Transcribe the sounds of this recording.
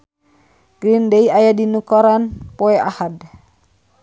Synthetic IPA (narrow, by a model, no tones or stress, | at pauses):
ɡɾindeiajadinukɔɾanpɔɛʔahad